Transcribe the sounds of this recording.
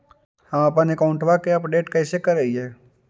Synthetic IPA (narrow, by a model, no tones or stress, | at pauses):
həməp̬ənekaʊɳʈʋakeɐpɖeːʈkəɪsekəɾəiɦeː